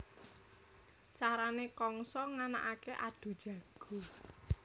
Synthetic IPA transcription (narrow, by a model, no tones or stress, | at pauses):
t͡ʃaɾanekɔŋsɔŋana̰ʔakeʔad̪̥ṳd̥ʒ̥ä̤ɡ̥ṳ